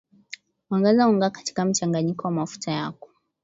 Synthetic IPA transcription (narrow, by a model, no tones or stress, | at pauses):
waŋɡazauŋɡakḁti̥kam̩t͡ʃaŋɡaɲikɔwamafu̥tʰajakɔ̥